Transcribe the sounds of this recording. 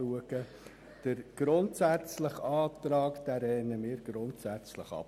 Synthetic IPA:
uəɡə | d̥əɾɡ̥ɾʊntsæt͡slɪχɑːt̪ɾɑːkd̥æːɾɛnəmɪːɾɡ̥ɾʊntsæt͡sləχɑ̰p

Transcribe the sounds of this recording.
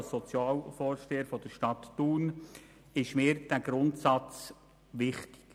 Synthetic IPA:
sɔt͡sjɑːlfɔːɾʃteːəɾfɔd̥əɾʃtɑtːuːn | ɪʃmɪːɾd̥æɡ̥ɾʊntsɑt͡s | ʋɪχtɪ̥k

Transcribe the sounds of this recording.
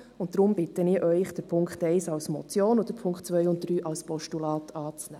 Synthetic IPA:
ʊnt̚dɾʊmb̥ɪtəniːɾʔœʏχd̥əɾpʰʊŋkχtɛɪsɑlsmɔ̰t͡sjoːnod̪əɾpʰʊŋkχtt͡sʋœjʊntdɾyːʔɑlspɔʃtulɑːtʰɑːt͡snɛː

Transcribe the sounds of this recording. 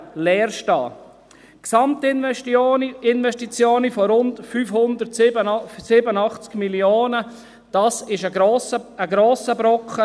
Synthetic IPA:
lɛːɾʃtɑː | ksɑmt | ɪnvɛʃtit͡sjoːnifɔɾʊntfyːfhʊnd̪əɾtəsɪbənɑχt͡skmiljoːnə | d̥ɑːsɪʃəəɡɾoːsəbɾɔkχə

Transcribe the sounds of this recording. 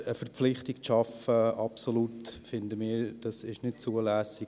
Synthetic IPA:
əfɛɾpflɪχtɪkʃɑfəɑpsolutfɪndəmɪːɾd̥ɑsɪʃnɪtt͡suəlæːsɪ

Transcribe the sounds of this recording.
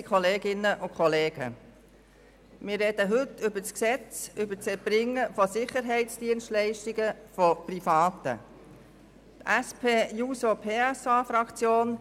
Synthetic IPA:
kʰχɔleːɡɪnːəʔʊkʰχɔleːɡ̥ə̰ | mɪːrːɛd̥̪əɦʏtʏbəsksɛt͡sʏbət͡sɛb̥ɾɪŋːəfɔsɪχəɾɦɛɪtt͡sd̥iənstlɛɪʃtiɡəfɔprifɑːt̪ə̰ | t̪æspʰeːjuːsopʰeːɛsɑːfɾɑkt͡sjoːn

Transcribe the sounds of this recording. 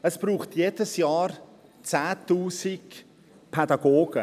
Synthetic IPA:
əsb̥ruːχtʰjeːdəsjaːr | t͡sɛːtuːsɪk | pʰɛdaɡoːɡ̥ə

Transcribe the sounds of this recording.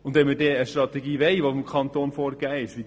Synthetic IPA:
ʊndɛnmədɛːəʃtɾɑt̪ɛɡiːʋɛɪʋofɪmkʰχɑnt̪oːnfoːɾɡ̥æːɪʃʋi

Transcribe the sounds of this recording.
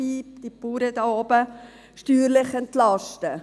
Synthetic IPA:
iːd̥ipuːɾədɑːɔbə | ʃtyːɾlɪχɛntlɑʃtə

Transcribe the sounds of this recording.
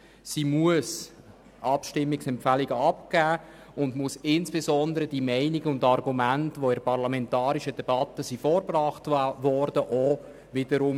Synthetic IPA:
simuəs | ʔɑpʃtɪmːɪksɛmpfæliɡəɑpɡ̥æː | ʊndmusɪnsb̥ezɔnd̪əɾədimɛɪniɡəʊndɑrɡumæntʋoɪɾpɑʁlamɛntɑːɾiʃəd̥ɛb̥ɑtəsifoːɾbrɑːχtʋɔɾd̥əʔo | ʋɪdəɾʊm

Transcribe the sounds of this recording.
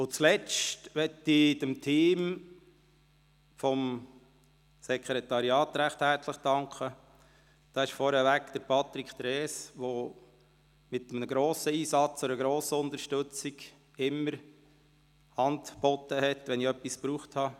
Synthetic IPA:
ʊt͡slɛt͡ʃtʋɛtidəmtʰiːm | fɔm | sɛkʰɾɛt̪ɑɾiɑːt̪ɾæχthæɾt͡sləχd̥ɑŋkʰə | d̥ɑɪʃfɔɾhɛʋækd̪̥əɾpʰɑt̪ɾikʰt̪ɾɛːsʋo | mɪt̪ːəmənəɡɾoːsəiːsɑt͡soɾəɡɾoːsəʊnt̪əɾʃtɵt͡siɡ | ɪmːəɾ | hɑndb̥ɔtəhɛt̪ʋɛniœpːispɾuːχthɑ

